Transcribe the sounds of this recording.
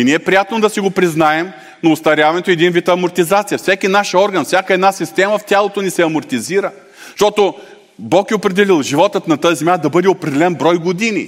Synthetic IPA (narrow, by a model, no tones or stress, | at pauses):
iniɛpɾijat̪nod̪ɐsiɡopɾiznaɛm | nɐʊst̪ɐɾʲjavɐnɛt̪oɛd̪invit̪ɐːmoɾt̪izat̪sijəfsɛkinaʃɔɾɡənfsʲakəɛd̪nasist̪ɛməft̪ʲalˠot̪onisɛɐmʊɾt̪iziɾə | ʃt̪ɔt̪o | bɔkɛopɾɛd̪ɛlilˠʒivɔt̪ət̪nɐt̪ɤɐzɛmʲjad̪ɐbɤd̪ɛopɾɛd̪ɛlɛnbɾɔjɡod̪inḭ